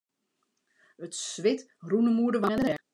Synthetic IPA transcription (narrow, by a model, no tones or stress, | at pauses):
ətsʋɪt | runəmuədəʋaɛndəɛ